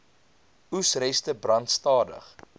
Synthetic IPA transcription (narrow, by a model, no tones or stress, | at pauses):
usrɛstəbrɐntstɑːdə̰χ